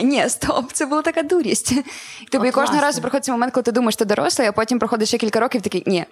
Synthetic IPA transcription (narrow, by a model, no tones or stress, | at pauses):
nʲest̪ʰopt̪sʲɛbɨlˠət̪akaɐd̪uɾʲɪsʲtʲt̪ɨbəikoʐd̪əəɾazzpɾɐxoɪt̪səvmɐmʲɛnt̪kd̪at̪ɨɪd̪uməjɪʂt̪ɨd̪ɐɾo̰slˠəjɐpotʲɪmpɾɐxodʲɪt̪sʲɕakʲɪlʲkɐɾokʲɪft̪ɐkʲinʲe